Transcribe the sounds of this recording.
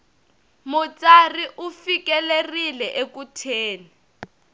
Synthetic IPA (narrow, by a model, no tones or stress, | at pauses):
mut͡sʼariʔufikɛlerilɛʔekutʰeːni